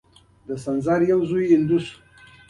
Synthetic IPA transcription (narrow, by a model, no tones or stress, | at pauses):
d̪asanzaɾjazuiind̪usu̥